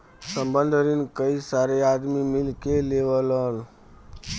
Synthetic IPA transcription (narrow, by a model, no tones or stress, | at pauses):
səmbə̃nd̪ʱəɾinkəisaɾead̪mimilkeleʋələn